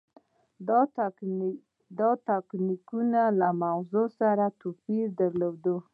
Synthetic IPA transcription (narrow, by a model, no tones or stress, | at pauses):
d̪ɑt̪aknikunalamawzosaɾat̪opiɾd̪aɾlowd̪u